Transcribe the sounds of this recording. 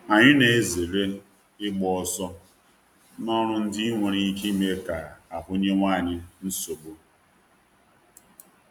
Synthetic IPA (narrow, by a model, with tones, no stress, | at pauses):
a˨ɲɪ˦ne˨e˨ze˨ɾe˦ | ɪ˦ɡ͡bɔ˨ɔ˦˨sɔ˦ | nɔ˦ɾʊ˦n̩˦dɪ˦ŋʷe˨ɾi˦ki˦me˦ka˨a˨pʊ˦ɲe˦ŋʷaː˦˨ɲɪ˦n̩˦so˨bo˦